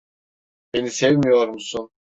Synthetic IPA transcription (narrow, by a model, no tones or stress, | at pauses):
b̥e̞nisɛvmijo̞ɾumsun